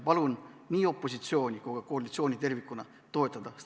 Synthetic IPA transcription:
pɑlunniːo̞pːo̞sit̪sio̞ːnʲikuɡ̥ɑkoɑlit̪sio̞ːnʲit̪ervikːˑunɑ | t̪o̞et̪ːˑɑd̪̥ɑs

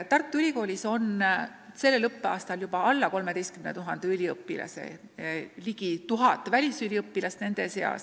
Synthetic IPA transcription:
t̪ɑrt̪ːˑuylʲiko̞ːlʲiso̞n | se̞lːelɤpːeɑːst̪ɑljub̥ɑɑlːɑko̞lmed̪ejst̪kymnḛt̪uɦɑnd̪̥eylʲiɤpːilɑ̰sḛ | liɡ̥it̪uɦɑt̪ːˑvælʲisylʲiɤpːilɑst̪ne̞nd̪̥e̞se̞ɑ̰s

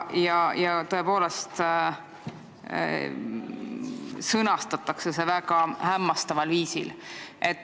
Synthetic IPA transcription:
jɑjɑt̪ɤepo̞ːle̞st̪ | sɤnɑst̪ɑt̪ːˑɑkse̞se̞vækɑhæmːɑst̪ɑvɑlviːsḭlʔe̞t̪ː

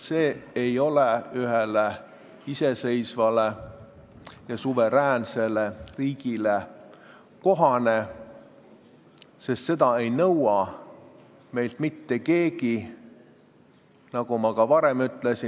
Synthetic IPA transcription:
se̞ːejo̞leyɦele | ise̞se̞jsvɑle | jɑsuve̞ɾæːnse̞leriːɡile | ko̞ɦɑne̞ | se̞st̪se̞d̪ɑe̞jnɤwɑ | me̞jlt̪mit̪ːe̞ke̞ːɡi | nɑɡ̥umɑkɑvɑɾe̞myt̪ˑle̞si

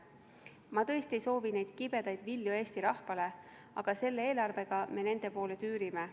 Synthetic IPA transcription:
mɑt̪ɤ̞est̪ie̞jso̞ːvine̞jd̪̥kib̥e̞d̪̥ɑjd̪vilːjue̞ːst̪iɾɑhfɑle̞ | ɑɡ̥ɑse̞lːeeːlɑrve̞ɡ̥ɑme̞ne̞nd̪e̞po̞ːlet̪yːɾime

